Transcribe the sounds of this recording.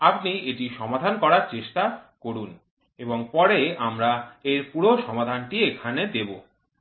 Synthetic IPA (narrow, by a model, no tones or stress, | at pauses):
apnieʈiʃɔmad̪ʱankɔɾaɾt͡ɕeʃʈakoɾun | eboŋpɔɾeamɾaeɾpuɾoʃɔmad̪ʱanʈiekʰaned̪ebo